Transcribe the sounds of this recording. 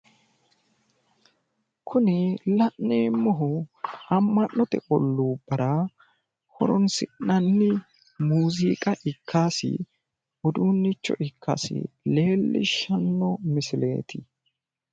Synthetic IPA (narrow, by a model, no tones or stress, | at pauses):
kʰʊnɪlɐʔneːmːɔɦʊɐmːɐnːɔt̪ɛ̰ʔɔ̰lːuːb̥ɐɾɐ | hɔ̰ɾɔnsɪnːɐnːɪ | muːziːkʼɐʔɪkʰːaːsɪ̰ | ɔd̪uːnːɪt͡ʃːɔ̰ʔɪkːa̰sɪ̰le̞ːlːɪ̰ʃɐnːɔmɪsɪle̞̰ːt̪ʰɪ